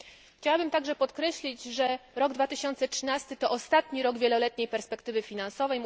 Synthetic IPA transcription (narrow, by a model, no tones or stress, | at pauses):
t͡ɕawabɘmt̪aɡʐɛpɔt̪kɾɛɕlʲid͡ʑʐɛɾɔɡd̪vat̪ɘɕɔnt̪sɛtʂɘnast̪ɘt̪ɔʔɔst̪at̪ɲiɾɔɡvʲjɛlɔlɛt̪ɲejpɛɾspɛkt̪ɘvɘfʲinansɔvɛjm